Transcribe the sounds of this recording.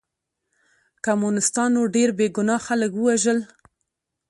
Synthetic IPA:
kamunɪst̪ɑnːoɖeɾbeɡʊnɑxaləkwəwaʒəl

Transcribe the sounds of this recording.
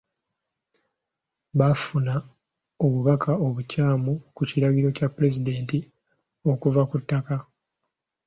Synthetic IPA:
βafuna | o̞βuβakʰao̞βucaːmukuciɾaɣiɾo̞capːuɾe̞zide̞ːnti | o̞kuvakutːaka

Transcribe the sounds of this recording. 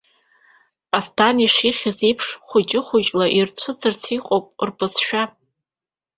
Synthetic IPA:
astʰaniʂiχʲazejpʰʂχʷʊt͡ʃʼɪχʷʊt͡ʃʼlaʔirt͡ɕʷʰɨt͡sʰɨrt͡sʰiqʼowpʼrpɨsʰʃᶣa

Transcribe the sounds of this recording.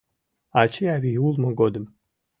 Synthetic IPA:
at͡ʃʰiaːβijulˠmɐɡod̪ɨm

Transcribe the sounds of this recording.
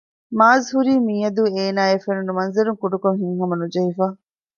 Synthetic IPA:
maːzɦuɾiːmiːɐd̪ueːnaːefenunumɐnzɐɾuŋkuɖukoŋɦiŋɦɐmɐnud͡ʒɐɦifaː

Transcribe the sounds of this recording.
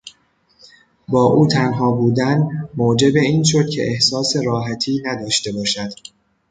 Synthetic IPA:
bɒːʔuːt̪ʰænɦɒːbuːd̪ænmoːd͡ʒe̞be̞iːnʃo̞d̪̥cʰe̞̰ʔehsɒːse̞ɾɒːɦæt̪ʰiːnæd̪ɒːʃt̪e̞bɒːʃæd̪̥

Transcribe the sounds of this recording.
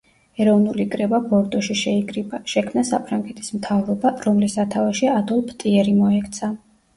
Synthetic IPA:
ɛɾɔvnulikʼɾɛbabɔɾt̪ʼɔʃiʃɛikʼɾibaʃɛkʰmnasa̰pʰɾaŋɡɛt̪ʰi̥smt̪ʰavɾɔbaɾɔmlisat̪ʰavaʃiad̪ɔlˠpʰt̪ʼiɛɾimɔɛkʰt̪sʰa

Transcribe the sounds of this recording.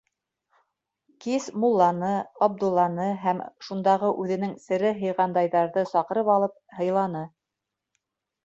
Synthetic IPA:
kismulˠːɑnɤɑb̚d̪ulˠːɑnɤɦæmʃund̪ɑʁɤʔʉðɘ̆nɘŋsɘ̆ɾɘɦɤ̆jʁɑnd̪ɑjðɑɾðɤsɑqɤ̆ɾɤpɑlˠɤp̚hɤ̆jlˠɑnɤ

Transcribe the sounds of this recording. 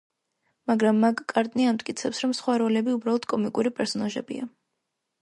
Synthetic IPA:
maɡɾamːaɡkʼːaɾt̪ʼniamt̪ʼkʼit̪sʰɛpsɾɔmsχwaɾɔlɛbiubɾalˠɔd̪̥̚kʼɔmikʼuɾipʼɛɾsɔnaʒɛ̰bḭa

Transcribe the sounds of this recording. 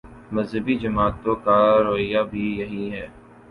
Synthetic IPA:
mɐzɦəbid͡ʒɐmaːt̪ːokaːɾoːɪjabʱijɐɦĩɦɛː

